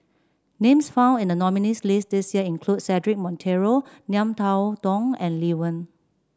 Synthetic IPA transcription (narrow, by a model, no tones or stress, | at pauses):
nẽmsfãʊ̃ndĩndənɔminislisdisjiəĩnkʰlud̚sɛdɹik̚mɔ̃ntʰeɹonjãmtʰawdɔ̃ŋɛ̃nliwə̃n